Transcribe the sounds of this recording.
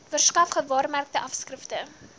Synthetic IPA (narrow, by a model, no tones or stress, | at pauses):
vərskɐfχətvɑːrmærk̚təʔɐfskrəftə